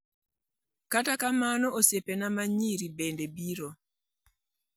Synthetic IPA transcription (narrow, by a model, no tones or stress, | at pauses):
katakamanɔʔosepenamaɲiɾibendebiɾo